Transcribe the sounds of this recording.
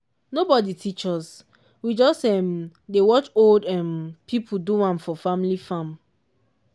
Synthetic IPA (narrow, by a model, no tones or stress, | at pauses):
nobɔditʰit͡ʃɔs | wid͡ʒɔstɛmdewɔt͡ʃoldɛmpʰipʰuduwãmfɔfamilifãm